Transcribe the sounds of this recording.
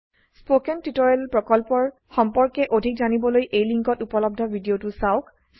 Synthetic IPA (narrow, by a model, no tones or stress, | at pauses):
spokɛntitɔɹɛlpɹɔkɔlpɔɹ | xɔmpɔɹkɛʔodʱik̚zanibɔlojʔejliŋkɔtupɔlɔb̚dʱɔbʱidiotusaʊk | s